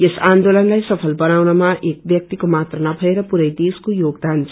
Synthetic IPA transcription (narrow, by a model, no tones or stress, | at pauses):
esand̪olʌnlajsʌpʰʌlbʌnawnʌmaʔek̚bjʌk̚t̪ikomat̪rʌnʌbʱʌeɾʌpuɾʌjd̪eskojoɡ̚d̪ant͡sʰ